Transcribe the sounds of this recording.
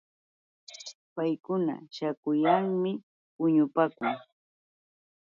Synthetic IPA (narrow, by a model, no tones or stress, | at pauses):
pajkʊna̰ʃakʊjaŋmɪ | pʊɲʊpaːkʊŋ